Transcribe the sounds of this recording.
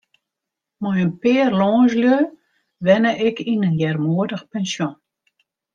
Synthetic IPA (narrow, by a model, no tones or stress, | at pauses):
mɔjənpɪːərlɔːzljø | ʋɛnəʔɪkʰinənjɛrmuədəxpɛnsjɔn